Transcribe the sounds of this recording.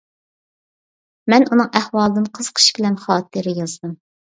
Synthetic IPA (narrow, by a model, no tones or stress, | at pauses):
mɛnunɨŋʔɛhwɑlˠɨd̪ɨnqʰəz̥qʰə̥ʃbʲɪlɛnχɑːt̪ʰɨɾɪjɑzd̪ɨm